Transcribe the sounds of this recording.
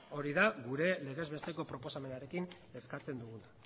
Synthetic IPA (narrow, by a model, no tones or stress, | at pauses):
o̞ɾiðaɣuɾe̞le̞ɣ̞e̞zβe̞st̪e̞ko̞pɾo̞po̞same̞naɾe̞kin | e̞skat͡se̞nd̪uɣuna